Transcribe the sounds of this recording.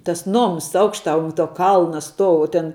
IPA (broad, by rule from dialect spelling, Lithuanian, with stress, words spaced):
tɐs ˈnoːms ˈɐʊkʃtɑː ʊn ˈtuɔ ˈkɐlˠnɐ ˈstuɔʊ ʊ ˈtʲɛn